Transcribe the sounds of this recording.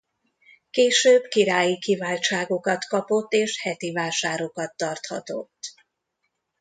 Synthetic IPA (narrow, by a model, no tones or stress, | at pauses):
keːʃøːbkiɾaːjikivaːlt͡ʃaːɡo̞kɒt̪kɒpo̞t̪ːeːʃhɛt̪ivaːʃaːɾo̞kɒt̪ːɒrt̪hɒ̰t̪o̞̰t̪ː